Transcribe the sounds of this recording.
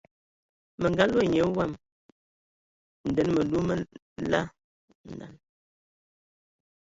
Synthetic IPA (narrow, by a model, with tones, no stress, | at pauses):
mə˨ŋɡa˦lwo˦˨ɲe˨˦wa˦˨m | n̩˨dɛ˨nmə˨lu˦mə˦ | la̰˦˨ | n̩˨da̰˨n